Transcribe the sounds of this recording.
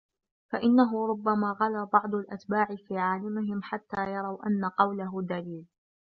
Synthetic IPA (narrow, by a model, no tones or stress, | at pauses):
faʔɪnːaɦʊɾˤʊbːamaːɣalaːbɑʕd̪ˤʊlʔat̪baːʕɪfiːʕaːlamɪɦɪmħat̪ːaːjɑɾˤɑwʔa̰nːaqɑwlaɦʊd̪aliːl